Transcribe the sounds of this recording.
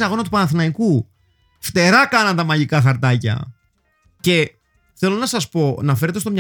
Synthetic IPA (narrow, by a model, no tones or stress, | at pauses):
sɐɣo̞nɐt̪upɐnɐθinɐiku | ft̪e̞ɾɐkɐnɐnt̪ɐmɐʝikɐxɐɾt̪ɐcɐ̰ | ce̞ | θe̞lo̞nɐsɐspo̞nɐfe̞ɾe̞t̪et̪o̞mɲ